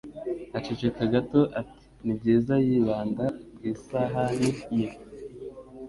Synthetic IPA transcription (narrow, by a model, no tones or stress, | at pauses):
at͡ʃet͡ʃekaɡato̞ʔati̥ | nibɟeːzajiːβaːndabɡiːsaɦanije